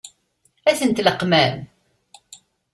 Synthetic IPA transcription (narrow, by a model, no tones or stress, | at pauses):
æθənt̪ləqːmæn